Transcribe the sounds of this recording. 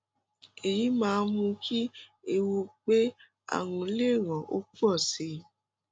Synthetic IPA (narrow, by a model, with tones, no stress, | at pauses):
e˨ji˨˦mãː˧mũ˧kʰi˦e˧wu˧k͡pe˦ | a̰˦˨wũ˧˦le˦˨ɾã˨ʔo̰˦ku˦ɔ˦˨si˧˦